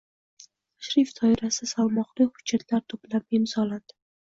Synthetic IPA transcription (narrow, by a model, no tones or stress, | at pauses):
ʃɾɪft̪ʰɒɪɾasɪsalˠmɒqlɪhʊ̥d͡ʒːat̪ʰlaɾt̪ʰʊplap̚ɪmz̥ɒlad̪̥ɪ